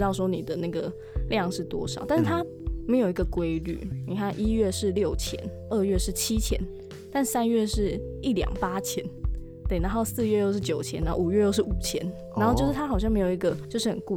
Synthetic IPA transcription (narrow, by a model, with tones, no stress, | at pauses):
t̪ɑ˥˩ʊs̬wɔ˥nḭ˨˩d̪ə˩na˥˩ɡə˩ | ljɑ˥˨ŋʂɻ̩˥˩t̪wɔ̰˥ʂɑ˨ʊt̪a˥˧nʂ̩˥˩t̪ʰa˥ | me˧˥ɪjo˨˩i˧ɡə˨kwe˥ɪly̰˥˩ni˨˩kʰa˥˩nʔi˦˥ɥɛ˥˧ʂɻ̩˥˨ljo˥˩ʊt͡ɕʰjɛ̰˧˦n | ə˥˧ɥɛ˥˧ʂɻ̩˥˩t͡ɕʰi˥t͡ɕʰjɛ̰˧˦n | t̪a˥˧n̩˥˩sa˥nɥɛ˥˧ʂɻ̩˥˩i˥˩ljɑ̰˨˩ŋpa˥t͡ɕʰjɛ̰˧˦n | t̪we˥˩ɪna˧˦xo˥˧ʊsɹ̩˥˧ɥɛ˥˧jo˥˧ʊʂɻ̩˥˩t͡ɕjo˨˩ʊt͡ɕʰjɛ˧˦na˧˦˥o˥˩u˨˩ɥɛ˥˧jo˥˧ʊʂ̬ɻ̩˥˩u˨˩t͡ɕʰjɛ̰˧˦n | a˨˧nxo˥˧jʊʂɻ̩˥˩t̪ʰa˥xɑ˨˩ʊɕjɑ˥˩ŋme˧˥ɪjo˨˩ʊi˧˥ɡə˨t͡ɕjo˥˧ʊʂɻ̩˥˩ə̰˨˩nku˥˧